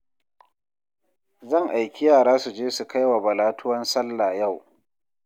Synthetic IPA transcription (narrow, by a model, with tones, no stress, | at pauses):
zɐ˦˨ŋʔa˨jkʲɪ˦jaː˦˨ɽaː˦su˨d͡ʒeː˦su˨ka˦jwa˨bɐ˨laː˦tʊ˦wɐ˦nsɐ˦lːaː˨ja˦˨w